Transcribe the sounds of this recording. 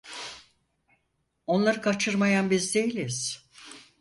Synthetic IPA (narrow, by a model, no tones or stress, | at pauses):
o̞nlˠaɾɯkʰat͡ʃʰɯɾmajanbizd̪e̞jilʲiz̥